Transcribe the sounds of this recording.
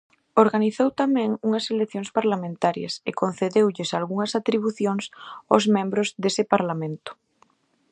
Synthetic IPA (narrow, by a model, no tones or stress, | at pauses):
oɾɣaniθowt̪amɛ̃ŋuŋɐseleθjoŋspaɾlamẽnt̪aɾjɐ̰sekonθeðewʎɪsalɣuŋɐsat̪ɾiβ̞uθjoŋsa̰zmẽmbɾʊzðesɪpaɾlamẽnt̪ʊ̥